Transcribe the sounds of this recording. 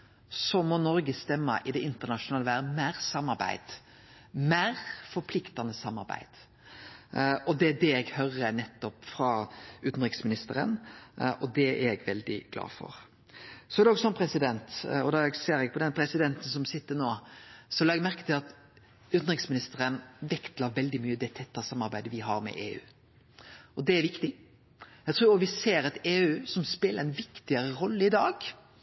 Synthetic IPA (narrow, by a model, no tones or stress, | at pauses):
sɔmɔnɔɾɡəst̪ɛmːə̰ʔɪd̪ɛʔɪnt̪əʁnɑʂʊnɑːləʋæːɾd̪mæːɾsɑmːɑɾbæ̰ɪd̪̥ | mæːɾfɔɾpʰlɪkt̪ɑnəsɑmːɑ̰ɾbæ̰ɪd̪̥ | ɔd̪ɛæɖ̪ɛɛɡhœɾənɛt̪ːɔpfɾɑʉːt̪n̩ʁɪksmɪnɪst̪əɾə̰nɔd̪ɛæɾɛɡʋɛld̪ɪ̰ɡ̥lɑ̰ːfɔ̰ɾ | sɔɛɾd̪ɛɔːɡsɔnpʰɾɛsɪd̪ɛnt̪ɔd̪ɑɛɡseːɾɛɡ̚pʰɔd̪ɛnpʰɾɛsɪd̪ɛnt̪n̩sɔmsɪt̪ːənoːsɔlɑɛɡmæʁkət̪ɪlɑt̪ | ʉːt̪n̩ʁɪksmɪnɪst̪əɾənʋɛkt̪lɑʋɛld̪ɪmyːəd̪ɛt̪ʰɛt̪ːɑsɑmːɑɾbæɪd̪əʋɪɦɑɾmɛ̰ʔeːʉ̰ː | ɔd̪ɛæɾʋɪkt̪ɪ | ɛɡt̪ʰɾuːɾɔʋɪseːɾɛt̪eːʉːsɔmspeːləɾɛnʋɪkt̪ɪəɾəɾɔlːəɪd̪ɑːɡ